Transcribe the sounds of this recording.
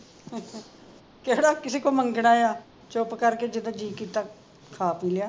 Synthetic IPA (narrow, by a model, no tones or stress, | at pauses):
keɽaːkɪseːkoːməŋɡɽaːeaː | t͡ʃopkəɾkeːd͡ʒɪd̪ãːd͡ʒiːkiːt̪aː | kʰːaːpiːlaː